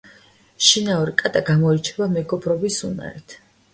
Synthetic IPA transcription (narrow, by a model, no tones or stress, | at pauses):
ʃinauɾikʼad̪ʼaɡamɔit͡ʃʰɛbamɛɡɔbɾɔbisuna̰ɾɛt̪ʰ